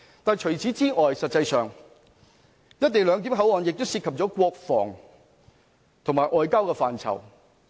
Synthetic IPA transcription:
t̪aː˨jt͡ʃʰɵ˨˩t͡sʰiː˨˥t͡siː˥ŋɔː˨jsɐ˨t̚t͡sɐ˧jsœː˨ŋ | jɐ˥t̚t̪e˨jlœː˨˧ŋt̪iː˨˥mɦɐ˨˥wɔː˨njɪ˨k̚t̪o˥wsiː˧t̚kʰɐ˨p̚t͡sɔː˨˥kʷwɔː˧k̚fɔ̰ː˨˩ŋ | t̪ʰŋmaː˨˩jʔɔː˨˧jkaː˥wkɛː˧faː˨nt͡sʰɐ̰˨˩w

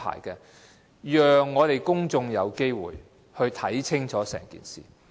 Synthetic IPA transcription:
a̰ː˨˩jkɛː˧ | jœː˨ŋːɔː˨˧t̪e˨˩jkʊ˥ŋt͡sʊ˧ŋjɐ˨˧wke˥jwṵː˨j | hɵ˧ɥt̪ʰɐ˨˥jt͡sʰɪ˥ŋt͡sʰɔː˨˥sɛ̰ː˨˩ŋkḭː˨nsiː˨

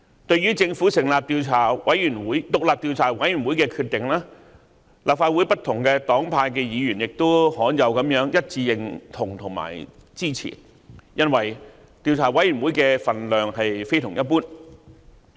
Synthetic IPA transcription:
t̪ɵ˧ɥɥyː˥t͡sɪ˧ŋfu˨˥sɪ˨˩ŋlaː˨p̚t̪iː˧wt͡sʰaː˨˩wɐ˨˥jɥyː˨˩nwuː˨˥jt̪ʊ˨k̚laː˨p̚t̪iː˧wt͡sʰaː˨˩wɐ˨˥jɥyː˨˩nwuː˨˥jkɛː˧kʰyː˧t̚t̪ːɪ˨ŋlaː˥ | laː˨p̚faː˧t̚wu˨˥jpɐ˥t̪ʰʊ˨˩ŋkɛː˧t̪ɔː˨˥ŋpʰaː˧jk̬ɛː˧jiː˨˧jyː˨˩njɪ˨k̚t̪o˥whɔː˨˥njɐ˨˧wkɐ˨˧˥mjœː˨˥ŋjɐ˥t̚t͡siː˧jɪ˨ŋt̪ʰʊ˨˩ŋt̪ʰʊ˨˩ŋma̰ː˨˩jt͡siː˥t͡sʰḭː˨˩ | jɐ˥nwɐ˨˩j | t̪iː˨˧wt͡sʰaː˨˩wɐ˨˥jɥyː˨˩nwuː˨˥jkɛː˧fɐ˨nlœː˨ŋɦɐ˨jfe˥jt̪ʰʊ˨˩ŋjɐ˥t̚puː˥n

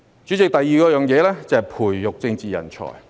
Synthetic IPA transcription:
t͡ʃyː˨˥t͡sɪ˨k̚t̪ɐ˨jːiː˨˧kɔː˧jœː˨˧ŋjɛː˨˧lɛː˥t͡sɐ˨˧hɐ˨˩jpʰuː˨˩jːʊ˨k̚t͡sɪ˧ŋt͡siː˨jɐ̰˨˩nt͡ʃʰɔ̰ː˨˩j

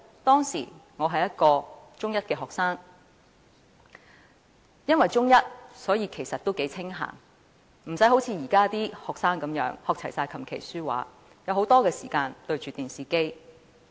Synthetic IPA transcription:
t̪ɔː˥ŋsḭː˨˩ŋɔː˨˧ɦɐ˨jɐ˥t̚kɔː˧t͡ʃʊ˥ŋjɐ˥t̚kɛː˧ɦɔː˨k̚saː˥ŋ | jɐ˥nwɐ˨jt͡ʃʊ˥ŋjɐ˥t̚sɔː˨˥jiː˧kʰe˨˩jsɐ˨t̚t̪o˥wke˨˥jt͡sʰɪ˥ŋɦa̰ː˨˩ŋ | m̩˨˩sɐ˨˥jho˨˥wt͡sʰiː˨˧jiː˨˩kaː˥t̪iː˥hɔː˨k̚saː˥ŋkɐ˨˥mjœ̰ː˨˥ŋhɔː˨k̚t͡sʰɐ˨˩jsaː˧jkʰɐ˨˩mkʰḛ˨˩jsyː˥wa̰ː˨˥ | jɐ˨˧who˨˥wt̪ɔː˥kɛː˧sḭː˨˩kaː˧nt̪ɵ˧ɥt͡ʃyː˨t̪yː˨nsiː˨ke˥j

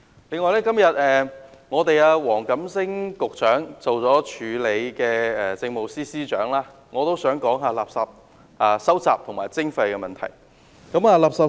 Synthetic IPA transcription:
le˨˧ŋɔː˧jlɛː˥kɐ˥mjɐ˨t̚ɛː˨ŋɔː˨˧t̪e˨˧jaː˧wɔː˨˩ŋkɐ˨˥msɪ˥ŋkʊ˨k̚t͡sœː˨˥ŋt͡so˨wt͡sɔː˨˥t͡ʃʰyː˨˧le˨˧jkɛː˧ɛː˨˩t͡sɪ˧ŋmo˨˩wsiː˥siː˥t͡ʃœ̰ː˨˥ŋlaː˥ | ŋɔː˨˧t̪o˥wsœː˨˥ŋkɔː˨˥ŋɦaː˧laː˨p̚sɐ˨p̚ | ʔaː˨˧sɐ˥wt͡saː˨p̚t̪ʰʊ˨˩ŋmaː˨˩jt͡sɪ˥ŋfɐ˧jkɛ˧mɐ˨nt̪ʰɐ̰˨˩j | kɐ˨˧˥maː˧laː˨˩p̚sɐ˨p̚

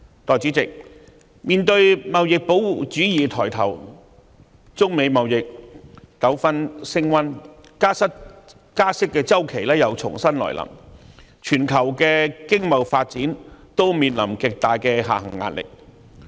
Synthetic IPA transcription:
t̪ɔː˨˩jt͡si˨˥t͡sɪ˨k̚ | miː˨nt̪ɵ˧ɥmɐ˨wjɪ˨k̚po˨˥wwuː˨˩t͡ʃyː˨˥jiː˨t̪ʰɔː˨˩jt̪ʰɐ̰˨˩w | t͡sʊ˥ŋme˨˧jmɐ˨wjɪ˨k̚kɐ˨˥wfɐ˥nsɪ˥ŋwɐ˥nkaː˥sɐ˥t̚ | kaː˥sɪ˥kːɛː˧t͡sɐ˥wkʰe˨˩jlɛː˥jɐ˨˧wt͡sʰʊ̰˨˩ŋsɐ˥nlɔ̰ː˨˩jlʔɐ̰˨˩m | t͡ʃʰyː˨˩nkʰɐ˨˩wkɛː˧kɪ˥ŋmɐ˨wfaː˧t̚t͡siː˨˥nt̪o˥wmiː˧nlɐ̰˨˩mkɪ˨k̚t̪aː˨jkɛː˧ɦa̰ː˨˩ɦɐ̰˨˩ŋːa̰ː˧t̚lʔɪ̰˨k̚

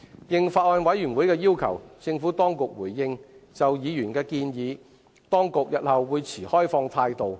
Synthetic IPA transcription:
jɪ˨ŋfaː˧˩t̚ɔː˧nwɐ˨˥jyː˨˩nwuː˨˥jkɛː˧jiː˥wkʰɐ̰˨˩wt͡sɪ˧ŋfuː˨˥t̪ɔː˥ŋkʊ˨k̚wuː˨˩jːɪ˧ŋt͡sɐ˨wjiː˨˧jyː˨˩nkɛː˧kiː˧njiː˨˧ | t̪ɔː˥ŋkʊ˨k̚jɐ˨t̚hɐ˨wːuː˨˧jt͡sʰiː˨˩hɔː˥jfɔː˧ŋt̪ʰaː˧jt̪o˨w

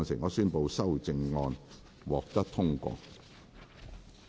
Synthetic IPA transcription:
ŋsɪ˨˩ŋɔː˨˧syː˥npo˨˧wsɐ˥wt͡sɪ˧ŋːɔː˧n | wɔː˨k̚t̪ɐ˥k̚t̪ʰʊ˥ŋkʷɔ̰ː˧

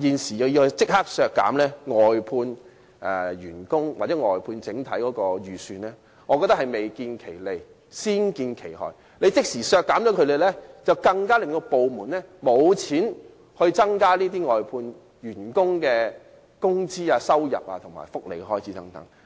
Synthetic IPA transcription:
jiː˨˩nsiː˨˩jɐ˨˧wji˧hɵ˧t͡sɪ˥k̚haː˥k̚sœː˨˧kːa̰ː˨˥mlɛː˥ŋɔː˨jpʰuː˧n | ʔɛ˧jyː˨˩nkʊ˥ŋwaː˨˩t͡sɛ˨˥ŋɔː˨jpʰuː˧nt͡sɪ˨˥ŋt̪ʰɐ˨˥jkɔː˨˥kɔː˧jyː˨syː˨˧nlɛː˥ | ŋɔː˨˧kɔ˧t̪ɐ˥khɐ˨jme˨jkiː˧nkʰe˨˩jle˨j | siː˥nkiː˧nkʰe˨˩jhɔ̰ː˨˩j | le˨˧jt͡sɪ˥k̚siː˨˩sœː˧kːaː˨˥mt͡ʃɔ˨˥kʰɵ˧le˨jlɛː˥t͡sɐ˨wkɐ˧ŋkaː˥lɪ˨ŋt̪o˧po˨wmuː˨˩nlɛː˥mo˨˧wt͡sʰiː˨˥n | hɵ˧ɥt͡sɐ˥ŋkaː˥liː˥t̪̬iː˥ŋɔː˨jpʰuː˧n | jyː˨˩nkʊ˥ŋkɛː˧ | kʊ˥ŋt͡siː˥aː˧sɐ˥wjɐ̰˨p̚aː˧t̪ʰʊ˨˩ŋma̰ː˨˩jfʊ˥k̚lḛ˨˩jkɛ˧hɔː˥jt͡sʰiː˨˥t̪ɐ˨˥ŋt̪ɐ˨˥ŋ

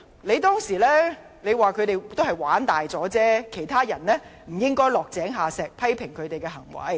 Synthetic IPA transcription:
le˨˧jt̪ɔː˥ŋsiː˨˩lɛː˥ | le˨˧jwaː˨kʰɵ˨˧ɥt̪e˨jt̪o˥hɐ˨jwaː˨˥nt̪aː˨jt͡sɔː˨˥t͡sɛː˥kʰe˨˩jt̪ʰaː˥jɐ˨˩nlɛː˥m̩˨˩jɪ˥ŋkɔː˥jlɔː˨k̚t͡sɛː˨˥ŋɦaː˨sɛː˨k̚pʰɐ˥jpʰɪ˨˩ŋkʰɵ˨˧ɥt̪e˨jkɛː˧hɐ˨˩ŋwɐ̰˨˧j

